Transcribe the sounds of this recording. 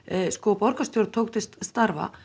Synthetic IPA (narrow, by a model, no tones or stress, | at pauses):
skɔpɔɾkast̪jowɾt̪ʰowkt̪ɪst̪st̪aɾva̰